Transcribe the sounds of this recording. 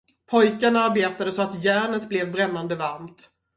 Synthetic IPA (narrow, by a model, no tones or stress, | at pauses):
pʰɔjkənaɾbeːt̪ad̪əsɔat̪jæːɳət̪blɛvbɾɛmːand̪əvaɾmt̪